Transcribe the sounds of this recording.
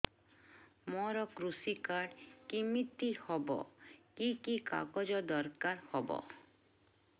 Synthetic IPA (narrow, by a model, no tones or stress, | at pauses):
mɔɾɔkɾusikaɖkimit̪ːihɔbɔ̰kikika̰ɡɔd͡ʒɔd̪ɔɾkaɾhɔbɔ̰